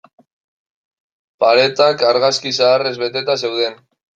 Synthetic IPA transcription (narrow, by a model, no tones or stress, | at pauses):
paɾe̞t̪akaɾɣaskisaːre̞zβe̞t̪e̞t̪ase̞wðe̞n